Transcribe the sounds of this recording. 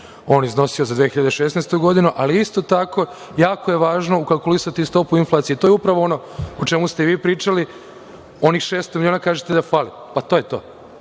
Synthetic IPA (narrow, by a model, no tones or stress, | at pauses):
o̞ːnizno̞siozad̪ʋexiʎad̪eʃesnejst̪uɡo̞d̪inuʔaliist̪o̞t̪ako̞ | jaːkoje̞ʋaːʒno̞ukalˠkulisat̪ist̪o̞puinflˠat̪ijet̪ojeupɾaʋoo̞no̞ | ot͡ʃe̞must̪eʋiːpɾiːt͡ʃali | o̞nixʃe̞ːst̪omiljoːnakaːʒet̪ed̪afaːli | pat̪oːje̞t̪o̞ː